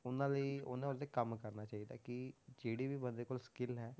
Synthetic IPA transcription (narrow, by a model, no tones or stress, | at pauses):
ʊnãːləiːʊnãːʊsd̪eːkəmkəɾnaːt͡ʃaːiːd̪a̰ːkɪd͡ʒeːɽiːʋiːbənd̪eːkoːlskɪlɦɛː